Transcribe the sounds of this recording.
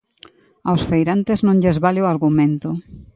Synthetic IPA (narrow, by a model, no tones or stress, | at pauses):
awsfejɾant̪eznõŋʎezβalɪʊaɾɣumẽnt̪ʊ